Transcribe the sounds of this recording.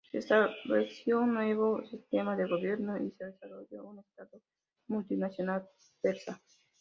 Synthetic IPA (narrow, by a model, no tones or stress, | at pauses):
sest̪abesjounːweβosist̪emaðeɣoβjeɾnoʔiseðesaɾoʝo̰unest̪aðo | mult̪inasjonal | peɾsa